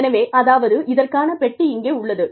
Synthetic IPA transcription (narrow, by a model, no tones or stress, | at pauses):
nɐʋeːʔɐðaːʋɐðɯʔɪðɐrkaːnɐpɛʈːiɪŋɡeːʊɭːɐðɯ